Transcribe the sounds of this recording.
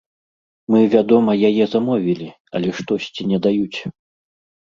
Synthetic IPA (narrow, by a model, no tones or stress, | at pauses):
mɨvʲad̪ɔmɐjajɛzamɔvʲilʲi | ɐ̰lʲɛʂt̪ɔsʲt͡sʲinʲɛd̪ajut͡sʲ